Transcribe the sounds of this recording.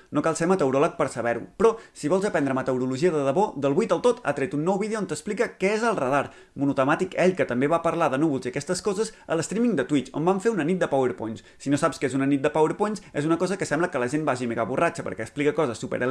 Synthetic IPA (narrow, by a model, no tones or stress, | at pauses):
nokalˠsemət̪əwɾɔlək̚pəɾsəβɛɾṵpɾɔsiβɔlˠzəpɛnd̪ɾəmət̪əwɾuluʒiəðəðəβod̪əlˠβuijt̪əlˠt̪ot̪ʰa̰t̪ɾet̪unːɔwβiðeont̪əsplikəkɛezəlˠrəðaɾ | munut̪əmat̪ikɛʎkət̪əmbeβapəɾlaðənuβulˠziəkɛst̪əskɔzəzə̰ləst̪ɾimiŋd̪ət̪wit͡ʃo̰mbaɱfeunənit̪̚d̪əpawəɾpoɲs | sinosapskezunənit̪̚d̪əpawəɾpoɲsezunəkɔzəkəsɛmbləkələʒembaʒimeɣaβurʔat͡ʃəpə̰ɾkɛəksplikəkɔzəsːupə̰ɾə